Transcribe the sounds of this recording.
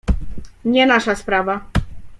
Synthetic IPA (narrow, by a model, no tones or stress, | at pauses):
ɲɛnaʂaspɾava